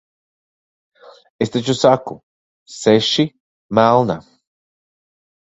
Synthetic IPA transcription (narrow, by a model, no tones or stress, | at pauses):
est̪et͡ɕusaku | seʃi | malna̰